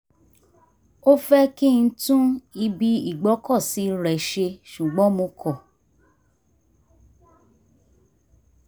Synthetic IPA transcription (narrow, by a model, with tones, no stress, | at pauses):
o˦fɛ˦ki˦˨n̩˦tũ˦i˧bi˧i˦˨ɡ͡bɔ˨˦kɔ˦˨si˨˦ɾɛ˨ʃe˧ʃu˨ɡ͡bɔ̃˨˦mõ˧kɔ˦˨